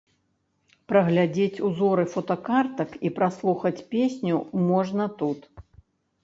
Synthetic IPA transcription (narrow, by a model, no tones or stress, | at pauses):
pɾɐɣlʲad͡zʲet͡sʲuzɔɾɨfɔt̪ɐkart̪ɐkipɾaslˠuxɐt͡sʲpʲesʲnʲumɔʐnɐt̪ut̪